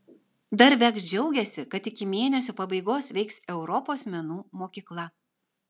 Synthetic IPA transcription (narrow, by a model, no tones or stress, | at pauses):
d̪ɐɾʋʲɛksd͡ʒʲɛʊɡʲɛsʲɪkɐt̪ɪkʲɪmʲeːnʲɛsʲoːpɐbɐɪɡoːsʋʲɛɪksɛʊɾɔpoːsmʲɛnuːmoːkʲiːklˠɐ